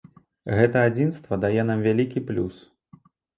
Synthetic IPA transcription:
ɣɛt̪ɐad͡zʲinst̪vɐd̪ajɛnamvʲalʲikʲiplʲus

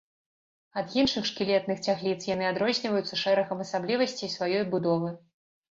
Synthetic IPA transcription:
ɐd̪jinʂɨxʂkʲilʲɛt̪̚nɨxt͡sʲaxlʲit̪sjanɨad̪ɾɔzʲnʲivɐjut̪sɐʂɛɾɐɣɐmɐsablʲivɐsʲt͡sʲisvajɔjbud̪ɔvɨ

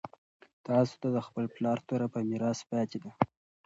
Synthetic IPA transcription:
t̪ɑso̥t̪ad̪əxpəlplɑɾt̪oɾapəmiɾɑspɑt̪ed̪a

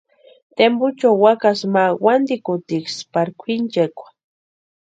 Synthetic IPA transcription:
t̪embʊt͡ʃawːakasmawand̪ikʊt̪ikspaɾkʷʰint͡ʃakʷḁ

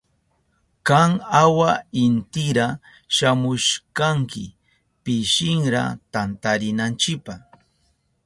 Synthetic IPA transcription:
kaŋawaɪnt̪ɪɾa | ʃamʊʃkaŋkɪ̰ | pɪʃɪŋɾa̰t̪ant̪aɾɪnant͡ʃɪkpaχ

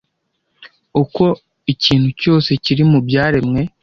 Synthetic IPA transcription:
uko̞ | iciːn̥huco̞ːse̞ciɾimubjaːɾe̞mŋe̞

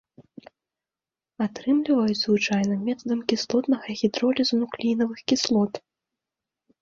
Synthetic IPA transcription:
at̪ɾɨmlʲivɐjud͡zʲzvɨt͡ʂajnɨmʲɛt̪ɐd̪ɐmkʲislˠɔt̪nɐɣɐɣʲid̪ɾɔlʲiznuklʲinɐvɨxkʲislˠɔt̪

